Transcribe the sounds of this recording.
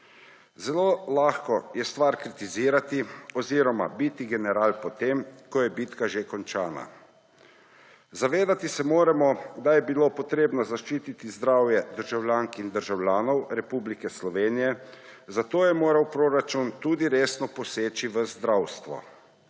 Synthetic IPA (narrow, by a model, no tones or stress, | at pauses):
zɛloːlaːxkɔjɛst̪ʋaɾkɾit̪iziːɾat̪iɔziːɾɔma̰bit̪iɡɛnɛɾaːlpɔt̪eːmkɔjɛbiːt̪kaʒekɔnt͡ʃaːna̰ | zaʋeːd̪at̪isɛmoːɾɛmɔd̪ajɛbilopɔt̪ɾeːbnɔzaʃt͡ʃiːt̪it̪izd̪ɾaːwjɛd̪əɾʒawljaːŋkind̪əɾʒawlʲjaːnɔwɾɛpublikɛslɔʋeːnijɛ | zat̪oːjɛmoːɾawpɾoːɾat͡ʃunt̪uːd̪iɾeːsnɔpɔseːt͡ʃiʋəzd̪ɾawst̪ʋɔ̰